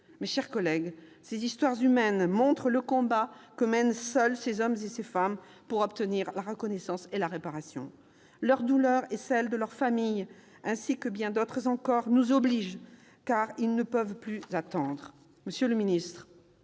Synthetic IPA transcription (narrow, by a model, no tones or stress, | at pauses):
meʃɛʁkɔlɛɡsezist̪waʁzymɛnmɔ̃t̪χələkɔ̃bakəmɛnsœlsezɔmzesefam | puʁɔpt̪əniʁlaʁəkɔnɛsɑ̃selaʁepaʁasjɔ̰̃ | lœʁd̪ulœʁɛsɛld̪əlœʁfamij | ɛ̃sikəbjɛ̃d̪ot̪χəzɑ̃kɔʁnuzɔbliʒ | kaʁilnəpəvplyzat̪ɑ̃d̪ʁə | məsjøləminist̪χ